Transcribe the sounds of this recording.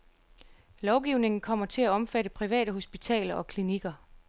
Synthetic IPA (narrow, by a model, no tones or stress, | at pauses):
lɒʊɡ̥iʊ̰ne̝ŋn̩kʰɒ̽m̰ɐt͡sʰe̝læɒ̽mfæɾəpʰʁiʋɛ̰ːɾəɦo̝sb̥it͡sʰɛ̰ːlɐʔɒ̽kʰliniɡ̥ɐ